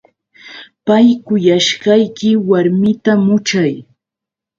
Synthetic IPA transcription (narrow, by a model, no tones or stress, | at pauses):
pajkʊjaʃɢɑjkɪwaɾmɪt̪amʊt͡ʃaj